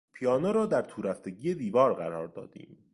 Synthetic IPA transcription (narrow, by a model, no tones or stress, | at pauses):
pʰijɒːnoɾɒːd̪æɾt̪ʰuːɾæft̪eɟiːjed̪iːvɒːɾɢæɾɒːɾd̪ɒ̰ːd̪̥ḭːm